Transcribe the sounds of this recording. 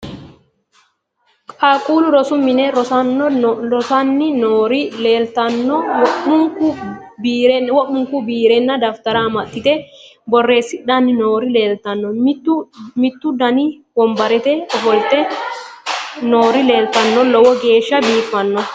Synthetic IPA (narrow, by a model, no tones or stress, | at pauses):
kʼaːkʼuːlʊɾɔsʊmɪnɛɾɔsɐnːɔɔsɐnːɪnoːɾɪleːlt̪ɐnːɔwɔʔʊŋkʊ | bːɾwɔʔʊŋkʊbiːɾɛnːɐd̪ɐft̪ɐɾɐmɐt̪ːɪt̪ɛbɔrːe̞ːsːɪᶑanːɪnoːɾɪle̞ːlt̪ɐnːɔmː | mɪt̪ːʊd̪ɐniwɔmbɐɾɛt̪ɛɔfɔlt̪ɛ | noːɾɪle̞ːlt̪ɐnːɔlɔwɔɡe̞ːʃːɐbiːfːɐnːɔ